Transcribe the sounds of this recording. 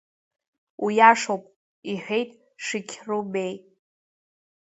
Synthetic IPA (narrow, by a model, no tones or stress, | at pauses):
wijaʂowpʼ | iħʷᶣe̞jtʼ | ʂɨkʲʰrube̞j